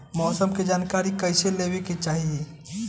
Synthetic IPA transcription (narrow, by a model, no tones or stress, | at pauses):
mɔsəmked͡ʒaːnkaɾikəɪseleweket͡ʃaːɦie